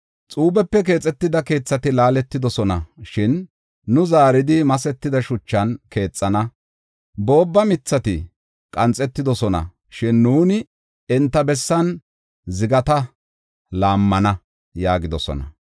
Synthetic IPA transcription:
t͡sʼuːbɛpːɛk̬e̞ːt͡sʼːɛt̪ːɪd̪ɐke̞ːt͡sːɐt̪ɪlaːlɛt̪ːɪd̪ɔsɔnɐʃɪnː | ʊzaːɾɪd̪ɪmɐsɛt̪ːɪd̪ɐʃʊt͡ʃːɐnke̞ːt͡sʼːɐnɐ | bo̞ːbːɐmɪt͡sːɐt̪ɪ | kʼɐnt͡sʼːɛt̪ːɪd̪ɔsɔnɐ̰ | ʃɪnːuːnɪ | ɛnt̪ːɐbɛsːɐn | zɪɡɐt̪ɐ | laːmːɐnɐ | jaːɡɪd̪ɔsɔ̰nɐ̰

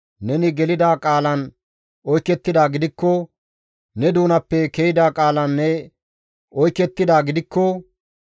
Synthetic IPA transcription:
nɛnɪɡɛlɪd̪aːkʼaːlɐn | ɔjkːɛt̪ːɪd̪aːɡɪd̪ɪkːɔ | nɛd̪uːnɐpːɛkɛjɪd̪aːkʼaːlɐnːɛ | ɔjkːɛt̪ːɪd̪aːɡɪd̪ɪkːɔ

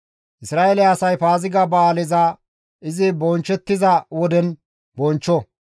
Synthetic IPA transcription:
ʔɪsɾaːʔɛlɛɐsɐjpaːzɪɡɐbaːlɪza | ʔɪzɪbɔnt͡ʃːɛt̪ːɪzɐwɔd̪ɛn | bɔnt͡ʃːɔ

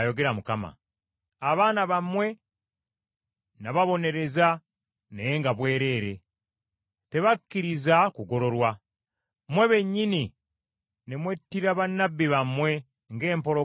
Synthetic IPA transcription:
jo̞ɡe̞ɾamukama̰ː | βaːnaβamwe̞ | naβaβo̞ne̞ɾe̞za | nejeŋɡaβwe̞ːɾe̞ɾe̞ | te̞βakːiɾizakuɡo̞ɾo̞ɾwa | mwe̞βe̞ɲːini | nemwe̞tːiɾaβanabːiβamwe̞ | ŋɡe̞ːmpo̞ɾo

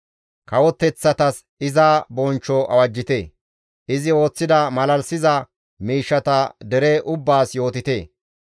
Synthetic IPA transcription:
kɐwɔt̪ːɛt͡sːɐt̪ɐs | ɪzaːbɔnt͡ʃːɔʔɐ̰wɐd͡ʒːɪt̪eː | ʔɪzɪo̞ːt͡sːɪd̪ɐmɐlɐlsɪzɐ | miːʃːɐt̪ɐd̪ɛɾeːʔʊbːaːsjo̞ːt̪ɪt̪e̞ː

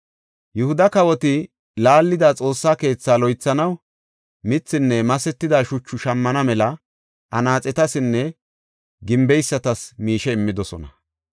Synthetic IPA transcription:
jʊhʊd̪ɐkɐwɔt̪ɪ | laːlːɪd̪at͡sʼo̞ːsːaːke̞ːt͡sːaːlɔjt͡sːɐnɐw | mɪt͡sːɪnːɛmɐsɛt̪ːɪd̪aʃʊt͡ʃːʊʃɐmːɐnɐmɛlɐ | ʔɐnaːt͡sʼɛt̪ɐsɪnːɛ | ɡɪmbɛjsːɐt̪ɐsmiːʃɛɪmːɪd̪ɔsɔ̰nɐ

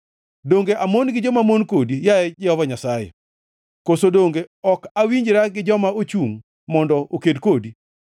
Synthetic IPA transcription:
doŋɡeʔamonɡɪd͡ʒɔmamonkodijaɛd͡ʒɪɔvaɲasajḛ | kosodoŋɡeɔkawiɲd͡ʒɾaɡɪd͡ʒɔmaot͡ʃuŋ | mɔndɔʔokedkodi

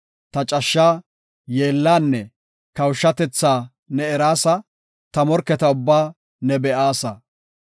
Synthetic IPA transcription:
t̪ɐt͡ʃʼɐʃːaː | jeːlːaːnːɛ | kɐwʃːɐt̪ɛt͡sːaː | nɛɛɾaːsɐ | t̪ɐmɔɾkːɛt̪ɐʊbːaː | nɛbɛʔaːsɐ

